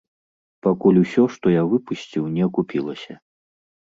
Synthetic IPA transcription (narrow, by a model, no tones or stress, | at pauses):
pakulʲusʲɔʂt̪ɔjavɨpusʲt͡sʲiwnʲɛɐkupʲilˠɐsʲɐ